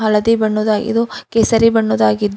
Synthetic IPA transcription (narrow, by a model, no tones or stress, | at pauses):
ɦɐlɐd̪ibɐɳːoːd̪aːɡḭd̪ukesɐɾibɐɳːoːd̪aːɡid̪ː